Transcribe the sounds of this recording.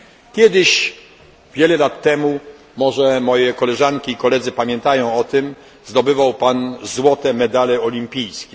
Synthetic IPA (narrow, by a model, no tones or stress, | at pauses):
kʲjɛd̪ɘɕ | vʲjɛlɛlat̪ːɛmu | mɔʐɛmɔjɛkɔlɛʐaŋkʲiːkɔlɛd̪zɘpamʲjɛnt̪ajɔ̃w̃ɔt̪ɘm | zd̪ɔbɘvawpanzwɔt̪ɛmɛd̪alɛɔlʲimʲpʲijskʲɛ